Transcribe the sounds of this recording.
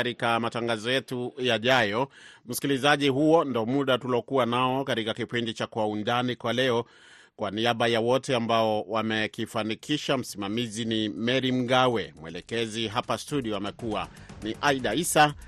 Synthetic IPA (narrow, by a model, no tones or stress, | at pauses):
aɾikamataŋɡazɔjɛtujaʄajɔm̩si̥kilizaʄiɦuɔndɔmuɗatulɔkuwanaɔkaɾikakipindit͡ʃakwaundanikwalɛɔ | kwaniaɓajawɔtɛambaɔwamɛkifanikʰiʃam̩simamizinimɛɾim̩ɡawɛmwɛ̰lɛkɛziɦapastuɗiɔamɛkuwa | niʔaiɗaisa